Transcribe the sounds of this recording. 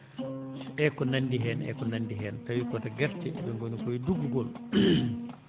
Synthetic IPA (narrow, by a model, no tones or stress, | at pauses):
ʔɛkɔnanːdiɦɛːnʔɛ̰kɔnandiɦɛːntawikɔtaɡɛɾtɛɓɛŋɡonikoiduɡuɡɔl